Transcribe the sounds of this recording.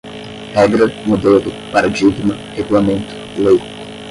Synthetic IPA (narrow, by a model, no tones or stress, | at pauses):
hɛɡɾɐmod̪eld̪ʊpaɾɐd͡ʒiut̪imɐ | heɡulamẽnt̪ʊ̥lej